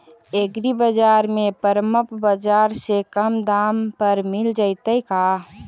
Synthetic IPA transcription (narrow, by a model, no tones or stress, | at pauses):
eɡɾibəd͡ʒaɾmẽpəɾəməpbəd͡ʒaɾsekəmd̪ampəɾmild͡ʒəɪt̪əika